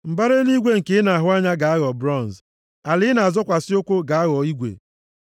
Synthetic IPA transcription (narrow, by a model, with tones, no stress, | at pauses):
m̩˨ba˦ɾe˦ni˦ɡʷe˦ŋ̩˨ke˨˦na˨a˨ɦʊ˦a˦ɲa˦ɡa˨a˦ɣɔ˨bɾɔ˦˨n˨z | a˨lɪ˦na˨a˨zɔ˦kʷa˨sɪ˦o˦kʷo˦ɡa˨a˦ɣɔ˨i˦ɡʷḛ˨